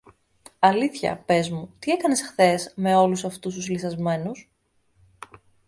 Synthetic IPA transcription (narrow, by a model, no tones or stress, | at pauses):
ɐliθçɐ̰pe̞zmut̪ie̞kɐne̞sxθe̞sme̞o̞lusɐft̪ust̪uzliθɐzme̞nus